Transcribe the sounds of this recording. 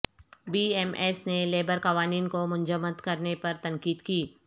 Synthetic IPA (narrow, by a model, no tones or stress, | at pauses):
biːɛːmʔɛːsneleːbəɾkɐʋaːniːnkomʊ̃nd͡ʒəmːəd̪kɐɾnepɐɾt̪ɐ̃ŋkiːd̪kiː